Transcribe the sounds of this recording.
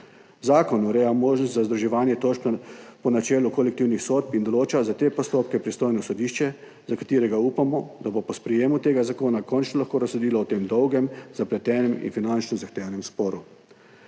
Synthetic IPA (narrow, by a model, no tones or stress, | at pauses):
zaːkɔnuɾɛːjamoːʒnɔst̪zazd̪ɾuʒɛʋaːnjɛt̪oʃppɔnat͡ʃɛːlukɔlɛk̚t̪iwnixsoːt̪̚pind̪ɔloːt͡ʃazat̪eːpɔst̪oːp̚kɛpɾist̪oːjnɔsɔd̪iːʃt͡ʃɛ | zakḁt̪iːɾɛɡauːpamɔd̪abopɔspɾɛjeːmut̪eːɡazakoːnakɔnt͡ʃnɔlaxkoːɾasːod̪iːlɔɔt̪eːmd̪ɔwɡɛmzaplɛt̪ɛːnɛmḭnfinant͡ʃnɔzaxt̪eːʋanɛmspɔːɾu